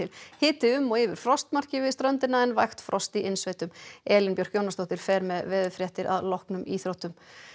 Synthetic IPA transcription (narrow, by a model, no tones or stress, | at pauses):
ɪlhɪːt̪ɪʏmːɔɣɪvɪɾ̥fɾɔst̪mar̥cɪvɪðst̪ɾœnt̪ɪnaɛnvajxt̪fɾʔɔst̪iʔɪnsveːjt̪ʏmɛːlɪnpjœɾ̥fjownast̪ɔwht̪ɪɾ̥fɛɾmɛðvɛːðʏfɾjɛht̪ɪɾʔa̰ðlɔhknʏmiːθɾowht̪ʏm